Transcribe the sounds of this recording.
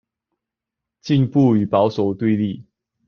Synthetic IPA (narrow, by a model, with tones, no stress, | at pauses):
t͡ɕi˥˧ŋpu˥˨y˨˩pɑ˨˦ʊso˨˩ʊt̪we˥˧ɪli˥˨